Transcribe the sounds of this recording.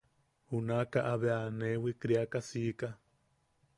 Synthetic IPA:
hunakaʔaβeanewikɾiakasika

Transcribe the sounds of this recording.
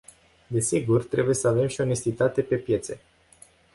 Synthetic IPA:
d̪e̞siɡurt̪ɾe̞buje̞səave̞mʃio̞ne̞st̪it̪at̪e̞pe̞pje̞t̪se̞̰

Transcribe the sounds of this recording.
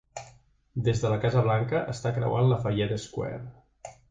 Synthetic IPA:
d̪ezðələkazəβ̞laŋkəʔəst̪akɾə̰wa̰nləfəʒɛt̪əskwɛ̰r

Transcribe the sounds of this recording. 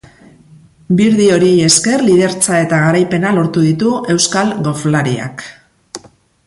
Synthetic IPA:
biɾðio̞ɾie̞je̞ske̞rlið̞e̞ɾt͡sae̞t̪aɣ̞aɾajpe̞nalo̞ɾt̪uðit̪ue̞wskalɣo̞flaɾia̰k

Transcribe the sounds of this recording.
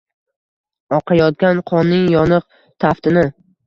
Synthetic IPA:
ɒqʰɑjɒt̪̚ɡʲanqʰɒnːɪŋjɒnɨq | t̪ʰaft̪ɪnɪ

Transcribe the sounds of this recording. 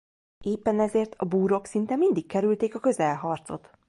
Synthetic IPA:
eːpːɛnɛzeːrt̪ʰɒbuːɾo̞ksint̪ɛmind̪ikkɛɾylt̪eːkɒkø̞zɛlɦɒrt̪so̞̰t̪

